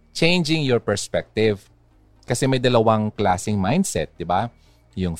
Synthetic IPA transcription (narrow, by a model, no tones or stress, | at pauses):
t͡ʃẽjnd͡ʒɪ̃ŋjɔɹpɛɹspɛk̚t̪ɪv | kɐsɛmɐjd̪ɐlɐwaŋklaːsɪŋmajnd̪sɛt̪̚d̪ɪba | jʊŋ